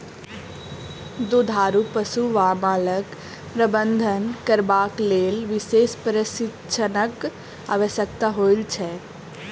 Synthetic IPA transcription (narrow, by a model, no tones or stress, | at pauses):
d̪od̪ʱaɾupəsuʋamaːlək | pɾəbənd̪ʱənkəɾbaklelʋisespəɾəsitːʃʰənək | a̰ʋəsjək̚t̪aɦoilt͡ʃʰɛ